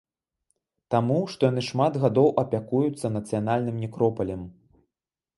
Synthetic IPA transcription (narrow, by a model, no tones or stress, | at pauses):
t̪amuʂt̪ɔjan̪ɨʂmad̪ɣad̪ɔwʔɐpʲakujut̪sːɐnɐt̪sɨjanalʲnɨmnʲɛkɾɔpɐlʲɛm